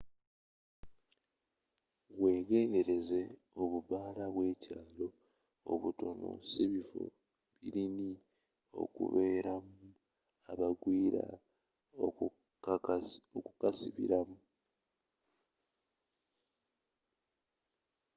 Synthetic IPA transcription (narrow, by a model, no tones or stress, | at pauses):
ɣwe̞ːɡe̞ːnde̞ɾe̞ze̞ | o̞βuβaːlaβwe̞ːcaːlo̞̰ː | βuto̞no̞̰seβifo̞̰ | βiɾini | o̞̰kṵβe̞ːɾamu | aβaɡwiːɾa̰ | okukasiβḭɾamu